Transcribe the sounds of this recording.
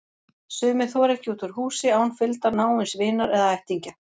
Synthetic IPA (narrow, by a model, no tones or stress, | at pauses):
sʏːmɪθɔɾɛhcɪut̪ʏɾ̥huːsɪawhunfɪlt̪anaːwɪnsvɪːnaɾɛðaajht̪iɲca